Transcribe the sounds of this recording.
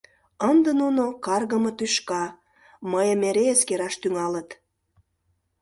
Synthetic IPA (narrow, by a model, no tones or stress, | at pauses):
ənd̪ənunokɑrɣə̆mət̪yʃkɑ | məjəmeɾeəskeɾɑʃt̪yŋɑlət̪